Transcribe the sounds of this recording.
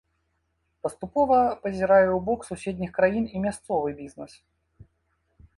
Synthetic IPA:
pɐst̪upɔvɐpɐzʲɪɾajɛwbɔksusʲed̪ʲnʲixkɾajinimʲast̪sɔvɨbʲiznɛs

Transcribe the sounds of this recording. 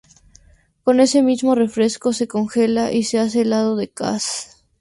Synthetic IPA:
ko̞ne̞se̞mizmo̞re̞fɾe̞sko̞se̞ko̞ŋxe̞laʔise̞as̬e̞laðo̞ðe̞ka̰s

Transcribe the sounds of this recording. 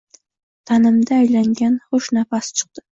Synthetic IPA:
t̪ʰanɪmd̪aːjlaŋɡʲanχʊʃnafast͡ʃʰɨ̥q̚t̪ɪ

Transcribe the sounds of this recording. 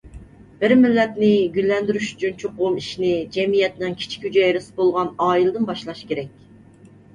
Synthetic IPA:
b̥ɪɾmɪlːɛt̪nɪɡʲylːɛnd̪yɾyʃy̥t͡ʃʰynt͡ʃʰoqomiʃinɪd͡ʒɛmijɛt̪nɪŋkʲʰi̥t͡ʃʰi̥kʲhyd͡ʒɛjɾɪsɪ̥bolˠʁɑnɑːilˠɨd̪ɨnbɑʃlˠɑʃkʲʰeɾɛk̚ʲ

